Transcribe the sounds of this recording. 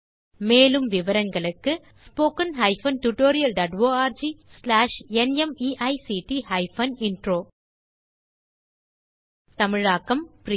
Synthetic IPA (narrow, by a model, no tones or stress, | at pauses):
meːlɯmʋɪʋɐɾɐŋɡɐɭɯkːɯ | spoːkɐnɦɐɪfɐnʈuʈoːɾɪjɐlɖɐːʈʋoːaːɾd͡ʒislaːʂɛnɛmiːʔɐɪsiːʈihɐɪfɐnɪnɖɾoː | t̪ɐmɪɻaːkːɐmpɾ